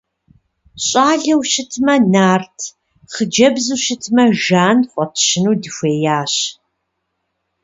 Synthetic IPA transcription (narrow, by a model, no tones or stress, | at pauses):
ɕʼaːɮɐwʃɪtʰmɐnaːrtʰ | χəd͡ʒɐbzuʃɪtʰmɐʒaːnχʷʼɔtʰʃɪnuːdɨxʷeːjaːɕ